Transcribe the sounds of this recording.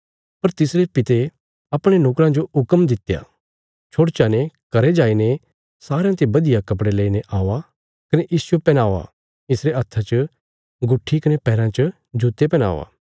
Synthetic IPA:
pɐɾt̪ɪsɾepɪt̪e | ɐpɽ̃enoːkɾãd͡ʒoʊkəmd̪ɪt̪ja̰ | t͡ʃʰoːɽt͡ʃanekɐɾed͡ʒaːine | saːɾãt̪ebɐd̪ɪjakɐp̬ɽeleːineʔaːʋa | kɐneʔiːsʊopɛnaːʋa̰ | ɪsɾeɐt̪ʰːat͡ʃə | ɡʊʈʰːikɐnepɛːɾãt͡ʃə | d͡ʒuːt̪epɛña̰ːʋa̰ː

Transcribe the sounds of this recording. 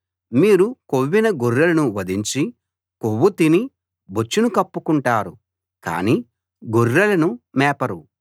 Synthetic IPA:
miːɾukoʋːinɐɡuɾːɐlɐnuʋɐd̪iɲt͡ʃi | kowːut̪ini | bot͡ʃːunukɐpːukuɳʈaːɾu | ka̰ːniː | ɡurːɐlɐnumɛːpɐɾu

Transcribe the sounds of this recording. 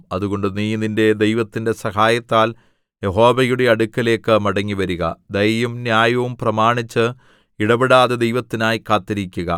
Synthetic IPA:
ɐðuɣo̞ɳɖɨniːninde̞d̪e̞jʋɐt̪ːinde̞sɐɦaːjɐt̪ːaːl | je̞ɦo̞ːʋɐjuɽe̞ɐɽukːɐle̞ːkːɨmɐɽɐŋːiʋɐɾuɣɐ̰d̪ɐjjumnjaːjɐʋumprɐmaːɳit͡ɕːɨ | iɽɐbiɽaːðed̪ejʋɐt̪ːinaːjikaːt̪ːɐɾikʲːuɣɐ

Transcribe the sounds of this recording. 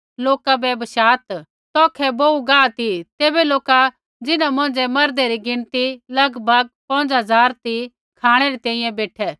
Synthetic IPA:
loːkabɛbəʃaːt̪ | t̪ɔːkʰɛbouɡaːt̪it̪eːbɛloːka | d͡zɪnãmʊ̃ːnd͡ʒɛmɐɾd̪eɾiɡɪɽ̃t̪ilɐɡbʱɐɡ̚pɐ̃ːnd͡ʒɦɐzaːɾt̪i | kʰaːɽ̃ɛɾet̪ɛ̃ːĩjɛ̃beːʈʰɛː

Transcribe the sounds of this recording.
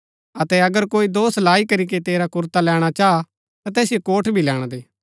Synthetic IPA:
ɐt̪ɛɐɡəɾkoːid̪oːslaːikɐɾik̬et̪eːɾakʊɾt̪alɛːɽ̃at͡ʃaːa | t̪at̪ɛːsijekoːʈʰbʱilɛːɽ̃d̪eː

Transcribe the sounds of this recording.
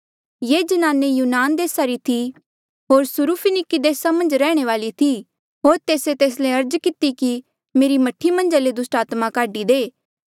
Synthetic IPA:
jeːd͡ʒɐnaːnːejuːnaːnd̪eːsaɾit̪ʰi | ɦoːɾsʊɾupʰɪnɪkid̪eːsamɐ̃nd͡ʒɾɛːɽ̃eʋaːlit̪ʰi | ɦoːɾt̪eːset̪eːs̬leɐɾd͡ʒkɪt̪iki | meːɾimɐʈʰːimɐ̃nd͡ʒaled̪ʊsʈaːt̪makaːɖid̪eː

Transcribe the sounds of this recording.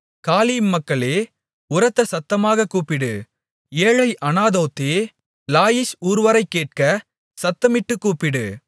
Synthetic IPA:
kaːliːmːɐkːɐɭeː | ʊɾɐt̪ːɐsɐt̪ːɐmaːɣɐkːuːpɪɽɯ | eːɻɐɪʔɐnaːðoːt̪ːeː | laːjɪsuːɾʋɐɾɐɪkːeːʈ̚kɐ | sɐt̪ːɐmɪʈːɯkːuːpɪɽɯ

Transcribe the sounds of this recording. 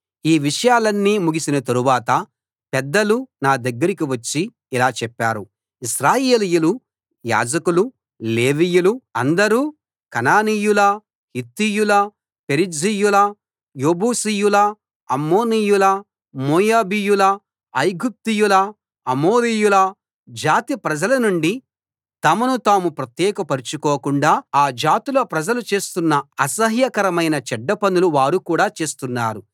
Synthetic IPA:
iːʋiʂɐjaːlɐnːiːmuɡisinɐt̪ɐɾuʋaːt̪ɐ | pɛd̪ːɐlunaːd̪ɐɡːɐɾik̬iʋɐt͡ʃːiː | laːt͡ʃɛpːaːɾu | isɾaːjeːlijulu | ja̰ːd͡ʒɐkulu | le̞ːʋijuluɐnd̪ɐɾuː | kɐnaːnijulɐ | hit̪ːijulɐ | peɾid͡ʒijulɐ | jo̞ːbuːsijulɐː | mːoːnijulɐ | moːjaːbijulɐː | jɡup̚t̪ijulɐ | ɐmoːɾijulɐ | d͡ʒaːt̪ipɾɐd͡ʒɐlɐnuɳɖi | t̪ɐmɐnut̪aːmupɾɐt̪jɛːkɐpɐɾit͡ʃukoːkuɳɖaːaːd͡ʒaːt̪iloːpɾɐd͡ʒɐlut͡ʃe̞ːst̪unːɐɐsɐɦjɐkɐɾɐmɐjnɐt͡ʃɛɖːɐpɐnuluʋaːɾukuːɽaːt͡ʃe̞ːst̪unːa̰ːɾu

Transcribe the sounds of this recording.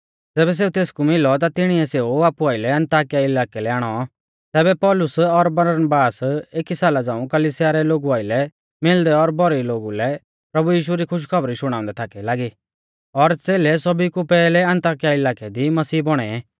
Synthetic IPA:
d͡zɛːbɛs̬eːut̪eːskumɪlɔt̪at̪ɪɽ̃iɛseːuaːpuaːɪlɛɐ̃nt̪aːkijaɪlaːkɛlɛaːɽ̃ɔ | t̪ɛːbɛpɔːlʊsɔɾbɐɾəɾənəbaːseːkisaːlad͡zãːũkɐlisjaɾɛloːɡuaːɪlɛ | mɪld̪ɛɔɾbʱɔɾiloːɡulɛ | pɾɐbujiːʃ̬uɾikʰʊʃ̬kʰɐbɾiʃʊɽ̃aːʊ̃nd̪ɛt̪ʰaːkɛlaːɡi | ɔɾt͡seːlɛsɔbikupɛːlɛɐ̃nt̪aːk̬ijaɪlaːkɛd̪imɐsiːbɔɽ̃ɛɛ

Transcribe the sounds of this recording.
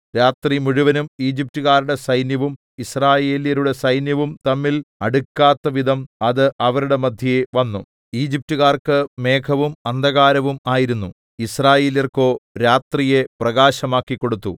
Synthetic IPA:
ɾaːt̪rimuɻuʋɐnumiːd͡ʑip̚tuɣaːɾuɽe̞sɐjnjɐʋum | israːje̞ːlijɐɾuɽe̞sɐjnjɐʋumt̪ɐmːilɐɽukːaːt̪ːɐʋid̪ʱɐmɐðɨʔɐʋɐɾuɽe̞mɐd̪ʱjɐjeʋɐnːu | iːd͡ʑip̚tuɣaːrkɨme̞ːkʰɐʋumɐnd̪ʱɐɣaːɾɐʋumaːjiɾunːu | israːje̞ːlijɐrko̞ːɾaːt̪rije̞prɐɣaːɕɐmaːkːikːo̞ɽut̪ːu

